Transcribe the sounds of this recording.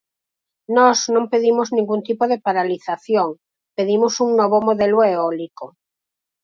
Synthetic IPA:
nɔznõmpeðimoznĩŋɡunt̪ipoðepaɾaliθaθjoŋ | peðimosuŋnɔβomoðeloeɔliko

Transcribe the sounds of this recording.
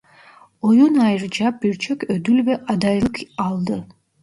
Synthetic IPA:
ojunɑjɯɾd͡ʒɑbiɾt͡ʃʰøkød̪ylβeʔɑd̪ɑjlˠɯqɑlˠd̪ɯ

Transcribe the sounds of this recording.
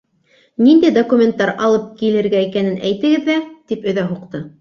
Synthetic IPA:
nind̪æjd̪okumʲent̪ːɑɾɑlˠɤp̚kilɘ̆ɾɡæikænɘnæjt̪ɘ̆ɡɘðːæt̪ipɵ̆ðæɦuqt̪ɤ

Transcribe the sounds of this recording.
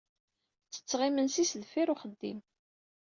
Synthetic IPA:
t͡sːə̥t͡sːʁimənsisðfiɾuχəd̪ːḭm

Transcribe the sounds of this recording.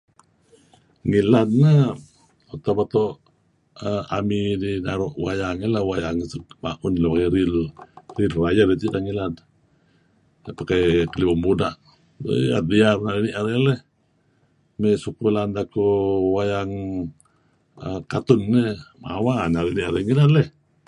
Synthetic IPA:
ŋilad̚na | ot̪abat̪oʔ | əamidinaɾɔʔwajaŋilawajaŋsəkma̰ʔʊnlapakaɾilrilrajərit̪idaŋilad | pakakəlibambudaʔ | a̰t̪̚diarnaɾiniʔaɾelɛh | mɛsukulandakuwajaŋ | əkat̪ʊnːəma̰wanaɾiniʔaɾɛŋilanlɛh

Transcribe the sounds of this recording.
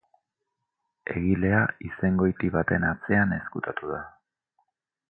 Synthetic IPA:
e̞ɣile̞aise̞ŋɡo̞jt̪iβat̪e̞nat͡se̞ane̞skut̪at̪uð̞a

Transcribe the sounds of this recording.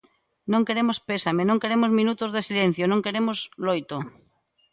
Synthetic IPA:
nõŋkeɾemospesamenõŋkeɾemozmĩnut̪ozðesilẽn̟θjonõŋkeɾemozlojt̪o

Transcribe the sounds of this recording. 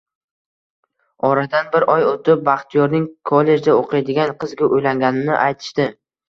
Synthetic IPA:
ɒɾad̪anbɪɾʔɒjot̪ɪp̚baχt̪ʰijɒɾnɪŋkʰolːe̞d͡ʒd̪aoqʰɨjd̪ɪɡʲanqʰɨzɡʲaʔojlaŋɡʲanɪnɪʔajt̪ʰɪ̥ʃt̪ɪ

